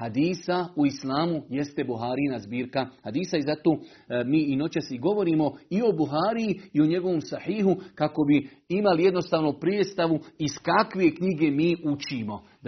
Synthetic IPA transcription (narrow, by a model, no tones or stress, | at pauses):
had̪iːsauislaːmuje̞st̪e̞buɦaːɾinazbiːɾkahad̪iːsaizat̪oːmiːino̞t͡ɕaseiɡo̞ʋo̞ɾiːmo̞io̞buɦaːɾijiio̞ɲe̞ɡo̞ʋo̞msahiːɦukako̞bi | imalije̞d̪no̞st̪aːʋnopɾjied̪st̪aʋuiskakʋe̞kɲiɡe̞miːut͡ʃimo̞